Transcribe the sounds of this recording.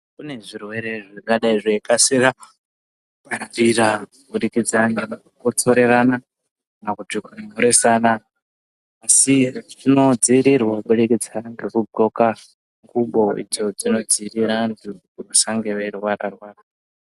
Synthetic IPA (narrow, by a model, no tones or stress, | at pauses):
kune̞ʐirwe̞ɾe̞ʐakaɗaiʐekaseɾa | paira | ɓuɗikid͡zaŋanakukot͡soɾe̞ɾana | nakudikunmoɾe̞sanaː | siʐino̞d͡ziɾirwaɓuɗikid͡zaŋɡe̞kubʱo̞ka | ŋɡuɓo̞ḭd͡zo̞d͡zino̞d͡ziɾiɾandi | uusaŋɡe̞ʋe̞rwaɾa̰rwaːra